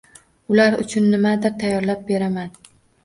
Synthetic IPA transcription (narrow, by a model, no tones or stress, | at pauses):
ʊlaɾʊ̰t͡ʃʰʊnːɪmad̪ɪɾt̪ʰajːɒɾlap̚be̞ɾaman